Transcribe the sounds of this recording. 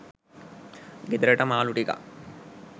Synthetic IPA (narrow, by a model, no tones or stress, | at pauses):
ɡed̪ɾeʈɐmaːluʈika̰